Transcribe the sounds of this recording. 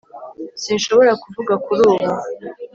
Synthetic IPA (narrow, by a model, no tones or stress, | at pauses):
sinʃo̞βo̞ɾakuvuɡakuɾuːβa